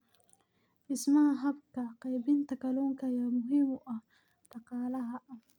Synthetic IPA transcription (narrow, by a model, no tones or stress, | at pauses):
ʔɪsmɐhɐɦɐbkɐqɑjbɪnt̪ʰɐkɐlɔːŋkʰɐjamʊɦimɔʔɐh | ɖ̥ɑqɑːlɐɦɐʔɐh